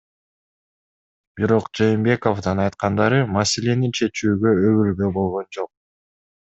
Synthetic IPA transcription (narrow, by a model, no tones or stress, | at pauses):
b̥iɾo̞qd͡ʒejːmbe̞ko̞fd̪ɑnɑjt̪qɑnd̪ɑɾɯmɑse̞le̞nint͡ʃʰe̞t͡ʃyːɡø̞øβylɡøbo̞lˠʁo̞nd͡ʒo̞q̚